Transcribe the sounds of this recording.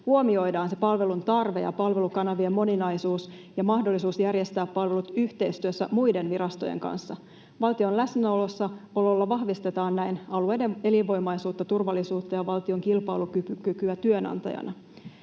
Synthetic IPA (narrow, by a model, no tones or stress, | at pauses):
huomio̞jdɑːnse̞pɑlʋe̞lunt̪ɑrʋe̞̰jɑ̰pɑlʋe̞lukɑnɑʋiemːo̞ninɑjsuːs | jɑmɑhdo̞lːisuːsjærje̞st̪æːpːɑlʋe̞lut̪yht̪e̞ist̪yøsːæmujde̞nʋiɾɑst̪o̞jḛŋkɑ̰nsːɑ | ʋɑlt̪io̞nlæsnæo̞lo̞sːɑo̞lo̞lːɑʋɑhʋist̪e̞t̪ɑːnnæjnɑlue̞jdee̞liʋo̞imɑjsuːt̪ːɑt̪urʋɑlːisuːt̪ːɑjɑʋɑlt̪io̞ŋkilpɑ̰ːlukykykyæt̪yønɑ̰nt̪ɑ̰jɑ̰nʔɑ